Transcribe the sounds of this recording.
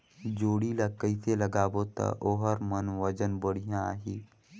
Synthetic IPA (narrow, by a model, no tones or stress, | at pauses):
d͡ʒoːɽiləkːəiseləɡaːbot̪a̰ʔoɦəɾmənʋəd͡ʒənbəɽijãaːɦiː